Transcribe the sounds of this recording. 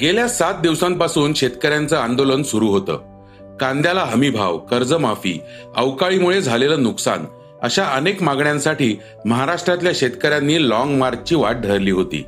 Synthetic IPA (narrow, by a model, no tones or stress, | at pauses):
ɡeljasat̪̚d̪iʋsãmpasuːnɕet̪kəɾjant͡səand̪olənsuɾuːɦot̪ə̰ː | kãnd̪jalaɦəmibʱa̰ʋkəɾd͡zəmafḭː | ə̰wkaɭimuɭed͡zʱaleləːnuksa̰n | əɕaʔənekmaɡɳjãnsaʈiː | məɦaɾaʂʈɾat̪ljaɕet̪kəɾjanːiːlɔŋɡmaɾd͡ʑt͡ɕiːʋaʈ̚ɖʱəɾliːɦot̪ḭː